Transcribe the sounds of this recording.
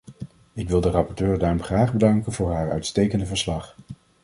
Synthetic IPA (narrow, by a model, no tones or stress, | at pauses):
ɪkʋɪlˠdərɑpɔɹtøːɹdaːɹɔmχraːχbədɑŋkənvʊːɹɦaːɹœ̰ɥtstejkəndəvəɹslɑχ